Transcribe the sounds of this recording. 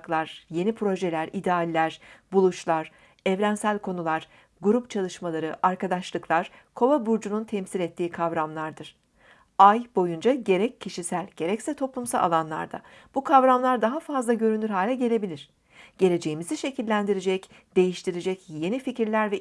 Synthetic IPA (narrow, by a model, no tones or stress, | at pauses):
klˠaɾ̥je̞nipʰɾo̞ʒelʲæɾid̪ɛalʲːæɾ̥bulˠut͡ʃlˠaɾ̥ | ɛvɾænsælʲkʰo̞nulˠaɾ̥ | ɡuɾupt͡ʃʰalˠɯʃmalˠaɾɯʔaɾkad̪aʃlˠɯklˠaɾ̥kʰo̞vabuɾd͡ʒununt̪ʰɛmsilʲɛt̪ʰːiːkʰavɾamlˠaɾd̪ɯɾ̥ | ajbo̞jund͡ʒaɟe̞ɾɛcʰːiʃisælʲɟe̞ɾɛcsɛt̪ʰo̞plˠumsalˠa̰lˠanlˠa̰ɾd̪a̰ | b̥ukʰavɾamlˠaɾd̪aɦafazlˠaɟø̞ɾynyɾɦaːlʲɛɟe̞lʲe̞bilʲiɾ̥ | ɟ̥e̞lʲe̞d͡ʒe̞jimiziʃe̞cʰilʲːænd̪iɾed͡ʒɛcd̪̥e̞jiʃt̪ʰiɾed͡ʒɛcje̞nificɾlʲæɾvɛ